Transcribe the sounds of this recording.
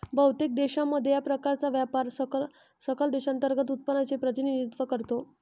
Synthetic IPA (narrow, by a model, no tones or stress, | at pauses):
bʱəwt̪ek̚d̪eɕamːəd̪ʱjejapɾəkaɾt͡saʋjapaɾ | səkəld̪eɕant̪əɾɡət̪ut̪̚pənat͡sepɾət̪inid̪it̪ʋəkəɾt̪o